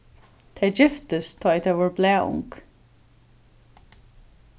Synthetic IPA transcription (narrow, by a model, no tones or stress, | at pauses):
t̪ʰɛɪd͡ʒɪft̪əst̪ʰɔːjt̪ʰɛvɔɹblɛːʊ̰ŋk